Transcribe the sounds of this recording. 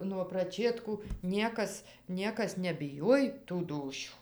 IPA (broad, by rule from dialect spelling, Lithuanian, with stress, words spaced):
nuɔ prɐˈt͡ʃʲeːtkuː ˈnʲiɛkɐs ˈnʲiɛkɐs nʲɛbʲɪˈjoːj tuː ˈduːʃʲuː